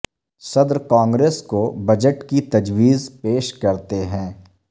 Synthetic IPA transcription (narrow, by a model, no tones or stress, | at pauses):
sɐd̪ɾkãːŋɡɾeːskobɐd͡ʒəʈkit̪ɐd͡ʒwiːzpeːʃkɐɾt̪eɦɛ̃ː